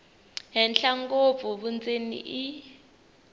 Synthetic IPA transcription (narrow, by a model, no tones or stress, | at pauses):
ɦɛnɬaŋkʼob̪vɔɓunt͡sʼenḭʔi